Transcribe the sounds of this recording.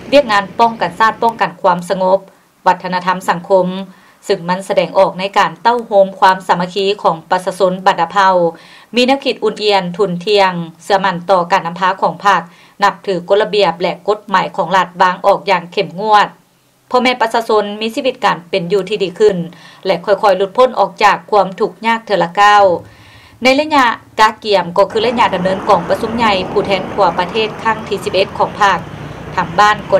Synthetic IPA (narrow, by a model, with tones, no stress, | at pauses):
wi˥˩ək̚ŋaː˧˥npɔ˥˩ŋka˨˩nsaː˥˩t̪̚pɔː˥˩ŋka˨˩nkʰwaː˧˥msa˧ŋo˧˦˥p̚ | ʋa˧˥t̪ʰːa˧na˧t̪ʰa˧˥msa˨˩˦ŋkʰo˧˥m | sɯ˧˩ŋma˧˥˨nsa˧dɛː˨˩ŋʔɔː˨˩k̚na˧˥jkaː˨˩nt̪a˥˩˨whoː˧˥mkʰwaː˧˥msa˨˧˦mːa˧kʰiː˧˥˨kʰɔː˩˦ŋpa˧t̪̚sa˧so˧˥nba˨ndaː˧˩pʰa˧˩w | miː˧˥nɛː˧˥wkʰi˧t̪̚ʔu˧˩nʔi˧ənt̪ʰu˧˩nt̪ʰi˧əŋsɯ˧˩ɐma˧˩nt̪ɔː˧˩kaː˨˩nːa˧mpʰaː˧˥kʰɔː˩˦ŋpʰa˧˩k̚ | na˧p̚t̪ʰɯː˨˦ko˧˦t̪̚la˧bi˨˩əp̚lɛ˧ko˧˥˦t̪̚maː˨˩˦jkʰɔː˩˦ŋla˧t̪̚waː˧˥ŋʔɔː˨˩k̚jaː˧˩ŋkʰe˧˩mŋu˧˥˩ət̪̚ | pʰɔ˧mɛː˧˨pa˧saː˧so˧˥nmiː˧˥siː˧wi˧t̪̚kaː˨˩npe˨njuː˧˩t̪ʰiː˧diː˨˧˦kʰɯ˧˩nlɛ˧kʰɔ˧˩jkʰɔ˧˩jlu˧t̪̚pʰo˧˥˨nʔɔː˨˩k̚t͡ɕaː˨˩kʰːu˧˥˧ə˨mt̪ʰu˧˩k̚ɲaː˥˩k̚t̪ʰɯ˨˩˦la˧kaː˧˥˩w | na˧˥˨jla˧ɲa˧ʔkaː˧˩ki˨˩əmkɔː˧˩kʰɯː˧˩la˧˥ɲa˧da˨mnɤː˧˥nkɔː˨˩ŋpa˧su˧˥mɲa˧jpʰuː˧˩t̪ʰɛː˧˥nt̪ʰu˧˩ɐpa˧t̪ʰeː˥˩t̪̚kʰa˧˥˩ŋt̪ʰiː˧˩si˧p̚ʔe˧t̪̚kʰɔː˩˦ŋpʰa˧˩k̚t̪ʰa˧˩ŋbaː˧˥˩nkɔ˧˩